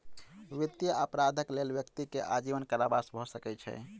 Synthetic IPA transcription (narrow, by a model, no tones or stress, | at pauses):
ʋit̪jəəpɾad̪ʱəklelʋjəkt̪ikeʔad͡ʒiʋənkaɾabasbʱɔsəkɛt͡ʃʰɛ̰